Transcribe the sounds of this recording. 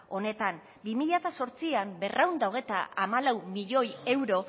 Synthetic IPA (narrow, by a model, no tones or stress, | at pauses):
o̞ne̞t̪am | bimiʎat̪aso̞ɾt͡siambe̞rʔawnd̪aoɣ̞e̞t̪a̰amalawmiʎo̞je̞wɾo̞